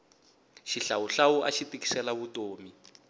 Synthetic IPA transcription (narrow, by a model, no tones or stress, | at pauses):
ʃiɬawuɬauʔaʃitiki̥sɛlaβutoːmi